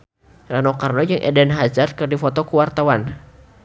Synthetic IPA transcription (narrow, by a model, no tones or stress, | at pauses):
ranokarnɔjd͡ʒɨŋʔɛ̰dɛnɦazarkərdifɔt̪ɔkuwart̪awan